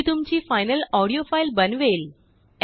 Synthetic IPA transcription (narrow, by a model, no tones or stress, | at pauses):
t̪umt͡ɕiːfajnəlɔɽijofailbənʋel